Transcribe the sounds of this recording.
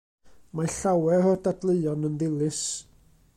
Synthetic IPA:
maɬawɛɔdadlˠəɨɔnənðɪlˠɪs

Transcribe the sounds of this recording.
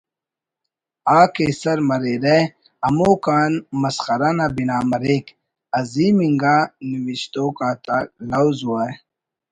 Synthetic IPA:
aːkesɐɾmɐɾeɾe | ɐmoːkaːnmɐsxɐɾanabinaːmɐɾeːk | ɐziːmiŋɡaːniwiɕt̪oːkaːt̪alawzuaː

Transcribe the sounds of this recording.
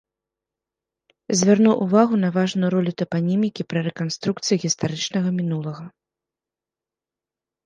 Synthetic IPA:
zʲvʲarnuwʔuvaɣunɐvaʐnujuɾɔlʲut̪ɐpanʲimʲikʲipɾɐɾɛkanst̪ɾuk̚t̪sɨjiɣʲist̪aɾɨt͡ʂnɐɣɐmʲinulˠɐɣɐ

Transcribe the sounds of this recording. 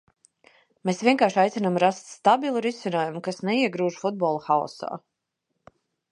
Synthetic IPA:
meːsvʲiɛŋkaːɾʃajt̪sʲinamɾast̪st̪abilˠuɾisʲinaːjumukasnɛiɛɡɾuːʒfud̪̚bɔːlˠuxaɔ̰sa̰ː

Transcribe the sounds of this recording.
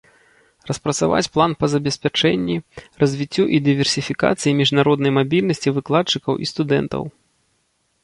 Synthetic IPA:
rɐspɾɐt̪sava̰t͡sʲplˠanpɐzɐbʲɛsʲpʲat͡ʂɛnʲːirɐzʲvʲit͡sʲːuʔid̪ɨvʲɛrsʲifʲika̰t̪sɨjimʲiʐnaɾɔd̪nɐjmabʲilʲnɐsʲt͡sʲivɨklˠat͡ʂːɨkɐwʔḭst̪ud̪ɛ̰nt̪ɐ̰w

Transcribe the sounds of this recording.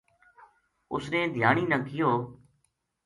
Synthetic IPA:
ʊ̰snẽːd̪ʱjaːɳiːnəːkʰɪjoː

